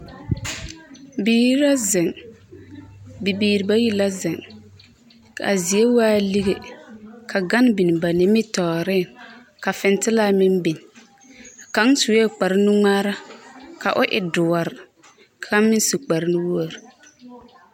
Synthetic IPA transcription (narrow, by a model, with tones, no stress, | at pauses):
biː˨˦ɾi˦la˦zɪ˨ŋ | bi˨biː˨ɾi˨ba˦ji˦la˦zɪ˨ŋ | a̰˨zi˨e˦waː˦li˦ɣe˨kʰa˨ɡa˦n˦bi˨n˨ba˨nɪ˨mɪ˦tɔː˨ɾɪ˦˨ŋ | ka˨fɪ˨n˦tɪ˦la˦˨mɪ˦nbi˨n˨ | ka˨˦ŋsu˨wɛ˦k͡pa˨ɾɪ˦nʊ˦ŋaː˦ɾa˦ka˨ʔʊ˦ʔɪ̰˨dʊ˨wa˨ɾɪ˨ | kʰa˦mɪ˦n˦su˨k͡pa˨ɾɪ˦nʊ˦wu˦o˨ɾ